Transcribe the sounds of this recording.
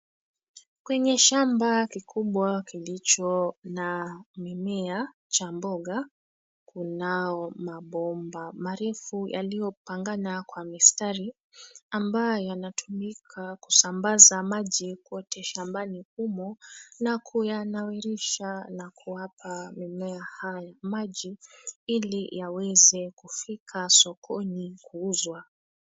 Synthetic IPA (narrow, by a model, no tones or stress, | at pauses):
kwɛɲɛʃambakikʰuɓwakilit͡ʃɔnamimɛa | t͡ʃambɔɠa | kunaɔmaɓɔmbamaɾɛfuja̰lijɔpaŋɡanakwamistaɾi | ambajɔjanatʰumikʰaku̥sambazamaʄikuɔtʰɛʃambanikumɔnakʰujanawɛɾiʃanakʰuwapʰamimɛahajamaʄiilijawɛzɛkufikʰasɔkʰɔnikuuzwa